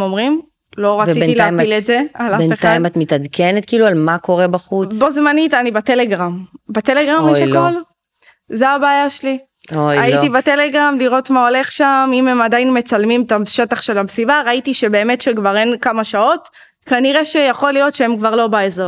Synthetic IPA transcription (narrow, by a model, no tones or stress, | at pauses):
mo̞mʁim | lo̞ʁavet͡sitilaamiletzealaefnetajmat̪mitadkʰenetkiːlualmako̞ʁebaχut͡sbozmanitanibateleɡʁambat̪eleɡʁamʃekol | zeabaːjaʃeli | ojaitibetele̞ɡʁamliʁo̞tmao̞le̞χʃamimemadajinme̞t͡salmimt̪aʃe̞taχʃe̞lamsibaʁaitiʃe̞be̞ːme̞tʃekvaʁe̞nkamaʃao̞t | kaniʁe̞ʃejaχo̞lijo̞tʃeemkvaʁlo̞baezo